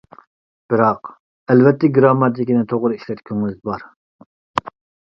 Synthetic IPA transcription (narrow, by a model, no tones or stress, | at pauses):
b̥ɨɾɑq | ɛlvɛt̪ːɛɡɾɑmːɑt̪ʰikʲinɪt̪ʰoʁɾɨiʃlɛt̪kʲʰøŋyzbɑɾ